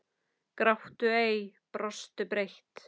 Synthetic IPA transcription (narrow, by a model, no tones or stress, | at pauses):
kɾaht̪ʏeːjpɾɔst̪ʏpɾejht̪